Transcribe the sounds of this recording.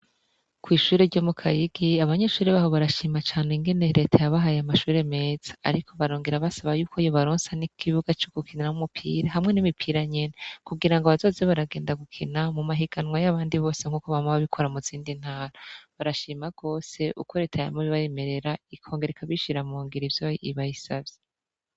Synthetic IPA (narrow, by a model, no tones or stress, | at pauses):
kwiːʃuːɾeɾɟo̞mukʰajiɡiaβaɲe̞ʃuːɾiβaɦo̞βaɾaʃiːmat͡ʃaːneŋɡe̞ne̞ɾe̞tʰajaβaɦajamaʃuːɾe̞me̞ːz̥ḁ̰ːɾikʰo̞βaɾoːŋɡiɾaβasaβajuːkʰojoβaɾoːnsanikʰiβuɡat͡ʃoɡ̥ukʰiniɾamumupʰḭːɾaɦamŋe̞nimipʰiɾaɲe̞nekuɡiɾaŋɡaβazo̞ːzeβaɾaɡe̞ːndaɡukʰinamumaɦiɡanwajaβaːndiβo̞ːse̞ŋ̥huːkoβamoβaβikʰo̞ɾamuziːndin̥haːɾaβaɾaʃiːmaɡ̥o̞ːse̞ʔṵkʰo̞ɾe̞ːtʰaja̰muβiβaje̞me̞ɾe̞ɾaikʰo̞ːŋɡeɾekʰaβiʃiɾamuːŋɡiɾivjoḭβajisavje